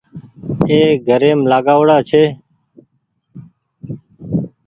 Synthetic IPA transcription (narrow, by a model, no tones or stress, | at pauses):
eːɡʱəɾeːmlaːɠaːʋɽaːt͡ʃʰeː